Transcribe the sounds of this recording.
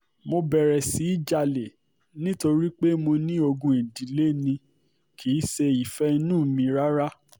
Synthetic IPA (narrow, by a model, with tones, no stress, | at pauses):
mo˧bɛ˨ɾɛ˨si˨˦i˦d͡ʒa˧le˨ | nĩ˦to˧ɾi˦k͡pe˦mo˧nĩ˦o˧ɡũ˧˦ĩ˨di˨˦le˦nĩ˧ | kʰi˨˦se˧i˨fɛ˦i˧nũ˦˨˦mĩ˧ɾa˦ɾa˦